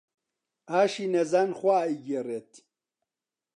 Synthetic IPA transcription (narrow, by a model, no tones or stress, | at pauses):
aːʃinɛzanxʷaiɡɛret̪